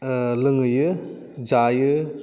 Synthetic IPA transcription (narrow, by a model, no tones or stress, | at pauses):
lɯŋɯjɯ | d͡ʒajɯ